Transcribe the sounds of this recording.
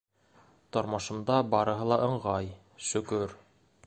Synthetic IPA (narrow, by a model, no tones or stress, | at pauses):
t̪ŏɾmɑʃɤ̆md̪ɑbɑɾɤ̆ɦɤlˠɑʔɤ̆ɴʁɑj | ʃɵ̆kɵɾ